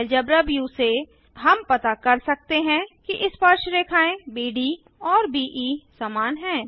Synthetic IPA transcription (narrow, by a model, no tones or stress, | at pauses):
ld͡ʒəbɾəbjuse | ɦɐmpɐt̪akɐɾsɐk̚t̪eɦɛ̃kiʔɪspəɾʃɾeːkʰaːẽbiːɖi | ɔːɾbiːʔiːsaːmaːnɦɛ̃ː